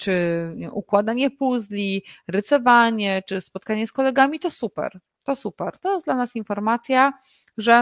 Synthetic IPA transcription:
t͡ʂɘɛ̰ʔukwad̪aɲɛpuzlʲiɾɘt̪sɔvaɲɛt͡ʂɘspɔt̪̚kaɲɛskɔlɛɡamʲit̪ɔsupɛ̰ɾ | t̪ɔsupɛɾt̪ɔjɛsd̪lanasinfɔɾmat̪sʲja | ʐɛ

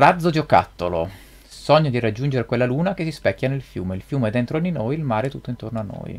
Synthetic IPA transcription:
rad̪zod͡ʒoka̰t̪ːolo̰ | sɔɲːod̪iɾad͡ʒːund͡ʒeɾekwelːaluːnakesispɛkʲːanelfjṵːmeilfjuːmeɛd̪ːent̪ɾod̪inojilmaːɾeɛt̪ːut̪ːoint̪ornoanːo̰j

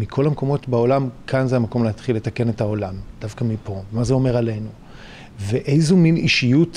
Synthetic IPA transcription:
mikʰo̞lameko̞mo̞tbao̞lamkʰanzeamako̞mleɦatχilːe̞take̞ne̞thao̞lamd̥avkamipo̞mazeo̞me̞ʁale̞nu | veʔejzuminiʃijut

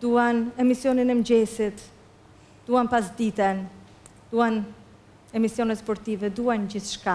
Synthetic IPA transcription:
d̪uanɛmisjɔninɛmd͡ʑɛsit̪ | d̪̥uanpas̬d̪it̪ɛn | d̪̥uan | ɛmisjɔnɛt̪spɔɾt̪ivɛd̪uand͡ʑiθʃka

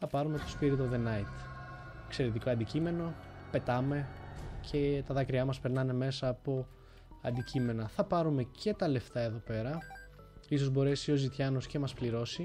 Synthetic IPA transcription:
θɐpɐɾume̞t̪o̞spiɾit̪oðe̞nɐit̪ | ekse̞ɾet̪iko̞ɐnd̪icime̞no̞pe̞t̪ɐme̞cʰe̞t̪ɐðɐkɾiɐmɐspeɾnɐne̞me̞sɐːpo̞ | ɐ̰nd̪icime̞nɐθɐpɐɾume̞cʰe̞t̪ɐle̞ft̪ɐe̞ðo̞pe̞ɾɐ | iso̞zbo̞ɾe̞sio̞zit̪çɐnosce̞mɐspliɾo̞si

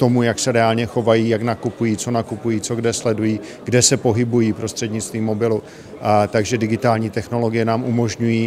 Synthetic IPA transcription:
t̪o̞mujaksɛɾɛalɲɛxo̞vajiːjaknakupujiːt͡so̞nakupujiːt͡so̞ɡdɛslɛdujiː | ɡdɛsɛpo̞ɦɪbujiːpɾo̞st̪r̥ɛdɲɪt͡st̪viːmːo̞bɪlu | t̪aɡʒɛdɪɡɪt̪aːlɲiːt̪ɛxno̞lo̞ɡɪjɛnaːmʔumo̞ʒɲujiː

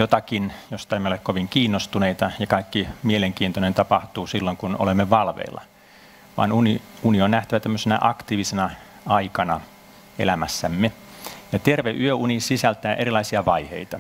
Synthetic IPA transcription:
jot̪ɑkinjost̪ɑemːeolekkoʋiŋkiːnːost̪uneit̪ɑjɑkɑikːimieleŋkiːnt̪onent̪ɑpɑht̪uːsilːoŋkuno̰lemːeʋɑlʋḛilːɑ̰ | ʋɑ̰ːnuniunionnæht̪æʋæt̪æmːøsenæ̰ʔɑkt̪iːʋisenɑ | ɑikɑnɑ | ḛlæmæsːæmːe | jɑt̪erʋeʔyøʔunisisælt̪æːʔerilˑɑisiɑʋɑihḛit̪ɑ

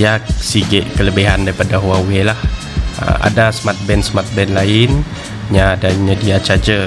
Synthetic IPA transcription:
jasiɡɪʔkələbiɦandaɾipadaɦwawelah | ə̰ma̰dasmat̪̚bɛnsmat̪̚bɛnlaɪn | ɲãːdaɲədiat͡ʃad͡ʒə

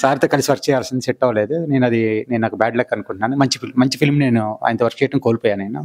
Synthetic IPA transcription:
saːɾt̪oːkɐlisiʋɐɾkt͡ʃɛjaːlsind̪iseʈːɐʋɐle̞ːd̪une̞ːnɐd̪ine̞ːnnaːkubaːɖlɐːkːɐnukuɳʈunaːnumɐɲt͡ʃipʰilmɐɲt͡ʃipʰilmne̞ːnua̰ːjnt̪oʋɐɾkt͡ʃɛːjɐʈɐmkoːlipoːjaːnɐnu

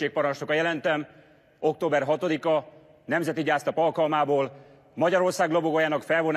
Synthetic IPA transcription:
eːk̚pɒɾɒnʃt̪okɒjɛlɛnt̪ɛm | o̞k̚t̪oːbɛrɦɒt̪o̞d̪ikɒ | nɛmzɛt̪iɟaːst̪ɒpɒlkɒlmaːboːl | mɒɟɒɾo̞rsaːɡloboɡojaːnɒkfɛlvo̞n

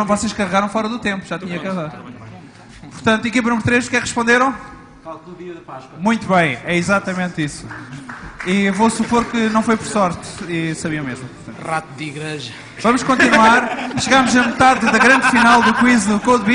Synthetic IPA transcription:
ɐ̃w̃vɔseʃkɐʁɨɣaɾɐ̃w̃fɔɾɐðut̪ẽmpuʒ̥at̪iɲɐkɐʁaðɐ̃ | puɾt̪ɐ̃nt̪ɐikip̬ɐnumɾut̪ɾeʃukɛʁɨʃpõnd̪eɾɐ̃w̃ | falˠðuðiɐðɐpaʃkɐmũj̃t̪uβɐ̃j̃ɛizat̪ɐmẽnt̪isu̥ | ivosupoɾkɨnɐ̃w̃fojpɔɾsɔɾt̪isɐβiɐ̃meʒmu | ɐ̃ʁat̪uðiɣɾeʒɐ | vɐmuʃkõnt̪inwaɾʃɨɣamuʒɐmɨt̪aððɐɣɾɐ̃nd̪finalˠd̪ukwizðukoðβi

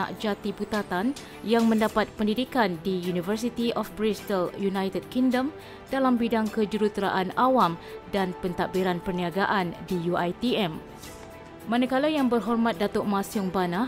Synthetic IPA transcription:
a̰ʔd͡ʒat̪ibut̪at̪an | jaŋmə̃ndapat̪̚pəndidikandijunivərs̬it̪iʔɔfpɾist̪əljunajt̪əd̚kiŋdəm | dalambidaŋkəd͡ʒuɾut̪ɾa̰ʔanawamdanpənt̪aʔbiɾanpərniaɡaʔandijuajt̪iɛm | mãnakalajaŋbərɦɔrmãt̪̚dat̪ɔʔmãsiʊŋbana

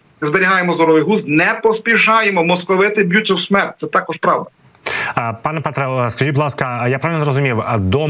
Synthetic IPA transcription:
zbeɾʲiɦɑjemɔzɔɾɔʋɪjɦuznɛpɔsʲpʲiʃɑjemɔmɔskɔʋɪt̪ɪbʲjut͡sʲːɐwsmɛrt̚ʲt̪sɛt̪ɑkɔʃpɾɑwd̪ɐ | pɑnɛpɛt̪ɾɛskɐʒiblˠɑskɐjapɾaʋʲilnzɛɾɔzʊmʲiwd̪ɔ

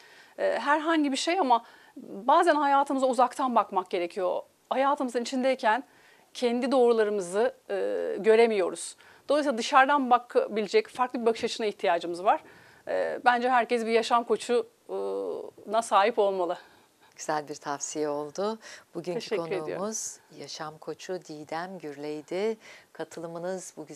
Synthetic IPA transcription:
ɛːɦæɾɦaɲɟibiʃejama | baːzænhajaːt̪ʰɯmɯzauzakt̪ʰanbakmak̚ɟe̞ɾecʰijo̞ | hajaːt̪ʰɯmɯzɯnit͡ʃʰind̪ejicʰæn | cʰɛnd̪id̪o̞ːɾulˠaɾɯmɯzɯː | ɟø̞ɾemijo̞ɾuz̥ | d̪̥o̞lˠsilˠad̪ɯʃaɾd̪anbakːbilʲid͡ʒɛcfaɾklˠɯbibakʰɯ̥ʃat͡ʃʰɯnaiçt̪ʰijaːd͡ʒɯmɯzvaɾ̥̰ | bænd͡ʒɛɦæɾcɛsbijaʃamkʰo̞t͡ʃʰu | nasaːɦipo̞lˠmalˠɯ | ɟ̥yz̥ælʲbiɾt̪ʰafsijɛo̞lˠd̪ʊb̥uɟyneʃɛoyɾeuḭjo̰muz̥jaʃamkʰo̞t͡ʃʰud̪ijd̪æmɟyɾlʲejd̪ɪkʰat̪ʰɯlˠɯmɯnɯzbuɟ

